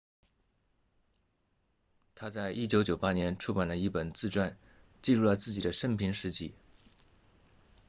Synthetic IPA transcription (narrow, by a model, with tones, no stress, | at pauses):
t̪ʰa˥t͡sa˥˧ɪʔi˥˩t͡ɕjo˧˥ʊt͡ɕjo˨˩ʊpa˥njɛ˧˥nʈ͡ʂʰu˥pa˨˩nlə˦i˥˩pə˨˩nt͡sɹ̩˥˧ʈ͡ʂwa˥˧n | t͡ɕi˥˧ɻu˥˩lə˩t͡sɹ̩˥˩t͡ɕi˨˩d̪ə˦ʂə˥ŋpʰi˧˥ŋʂɻ̩˧˥t͡ɕi˥˩